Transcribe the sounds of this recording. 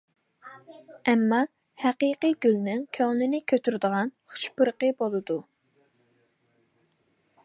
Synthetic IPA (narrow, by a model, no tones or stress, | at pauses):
ɛmːɑ | hæqiqiɡʲylnɪŋkʲʰøŋnɪnɪkʲʰøt̪ʰyɾd̪əʁɑnχu̥ʃpɨɾqəbolˠɨd̪u